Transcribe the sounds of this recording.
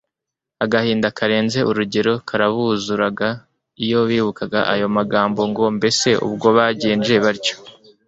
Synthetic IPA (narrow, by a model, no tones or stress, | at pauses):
aɡahiːndakaɾe̞ːnze̞ʔuɾuɟe̞ɾo̞kʰaɾaβuzuɾaɡa | ijo̞βiːβukaɡa̰ʔajo̞maɡaːmbo̞ŋɡo̞mbe̞se̞ʔṵb̚ɡo̞βaːɟiːnd͡ʒe̞βaɾco̥